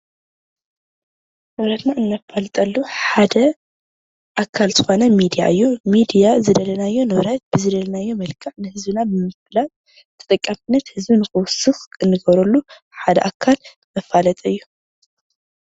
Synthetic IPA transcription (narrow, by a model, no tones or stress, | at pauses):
nɨβɾɐt̪naɨnːɐfalt̪ʼɐlːuħad̪ɐ | ʔakʰːalzɨxo̞nɐmid̪ija̰ʔɨjːumid̪ijazɨd̪ɐlɐnajːo̞nɨβɾɐt̪̚bɨzɨd̪ɐlɐnajːo̞mɐlkʰɐʕnɨhɨzbɨnabɨmɨflat̪ | t̪ʰɐ̥t̪ʼɐkʼːamɨnːɐt̪hɨzbinɨxɨwʊsɨxɨnːɨɡɐβɾɐlːu | ħad̪ɐ̰ʔakʰːal | mɐfːalɐt̪ʼɨjːu